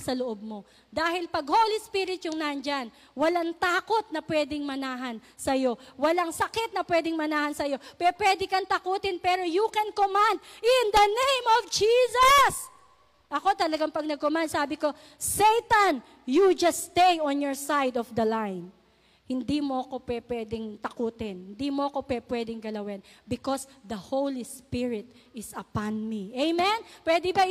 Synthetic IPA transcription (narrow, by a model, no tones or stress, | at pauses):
sɐloʔob̚mo̞ | d̪aːhɪlpɐɡhoːlispiːɾɪt̪jʊŋnand͡ʒɐn | wɐlaŋt̪aːko̞t̪̚nɐpwɛːd̪ɪŋmɐnaːɦɐn | sɐjo̞wɐlaŋsɐkɛt̪̚nɐpwɛd̪ɪŋmɐnaːhɐnsɐjo̞pɛɾopwɛd̪ɪkɐnt̪ɐkuːt̪ɪnpɛɾo̞jukɛnkomand̪̚ɪnd̪ɐnẽjmɔvd͡ʒiːsɐs | ʔɐko̞t̪ɐlɐɡaŋpɐɡ̚nɐɡ̚komand̪̚saːbɪko̞ | sejt̪ɐn | jud͡ʒɐst̪ejɔ̃njɔɹsajd̪ɔfd̪ɐlãjn | hɪnd̪imoɐko̞pwɛpwɛd̪ɪŋt̪ɐkuːt̪ɪnhɪnd̪imoʔɐko̞pwɛpwɛd̪ɪŋɡɐlɐwɛnbɪkosd̪ɐhowlispɪɹɪt̪̚ɪsɐpãnmiʔejmɛnpwɛd̪ɛbɐ